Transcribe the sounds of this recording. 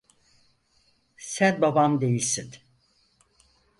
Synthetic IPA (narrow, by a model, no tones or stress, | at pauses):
sænbabamd̪e̞jilʲsin